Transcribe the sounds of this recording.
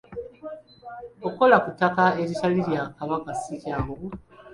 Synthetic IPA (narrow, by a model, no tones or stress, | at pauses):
oko̞lakutakaeɾitaliɾjakaβakasikjaːmβu